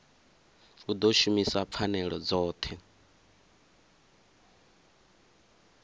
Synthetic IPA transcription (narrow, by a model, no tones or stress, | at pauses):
ud̪ɔʃumisap̪fʰanɛɺɔd͡zɔːt̪ʰɛ